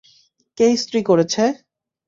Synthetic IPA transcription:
kejst̪ɾikoɾet͡ɕʰe

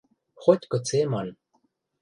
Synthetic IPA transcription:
xot̪ʲkɤ̆t͡semɑn

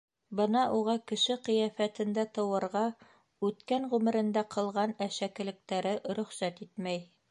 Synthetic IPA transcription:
bɤnɑʔuʁɑkɘ̆ʃɘqɤ̆jæfæt̪ɘ̆nd̪æt̪ɤ̆wɤ̆ɾʁɑ | ʉt̪kæŋʁʉmɘ̆ɾɘ̆nd̪æqʰɤ̆lˠʁɑnæʃækɘ̆lɘ̆k̚t̪æɾɘʔɾɵ̆χsæt̪it̪mæj

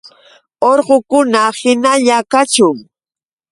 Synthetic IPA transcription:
oɾɢokʊnahɪnaʎakat͡ʃʊŋ

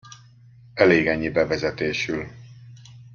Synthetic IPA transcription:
ɛleːɡɛɲːibɛvɛzɛt̪eːʃyl

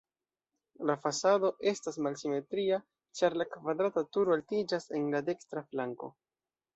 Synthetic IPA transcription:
lafasado̞ʔe̞stasmalsime̞tɾia | t͡ʃaɾlakvad̪ɾatatuɾoaltid͡ʒase̞nlade̞kstɾaflaŋko̞̰

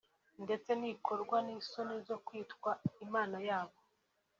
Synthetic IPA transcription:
nde̞t͡se̞nikʰo̞ɾɡwaniːsonezo̞kwiːtkwaimaːnajaːβo̞

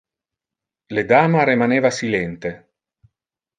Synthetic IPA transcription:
led̪aːmaɾimaneːvasilɛnt̪e

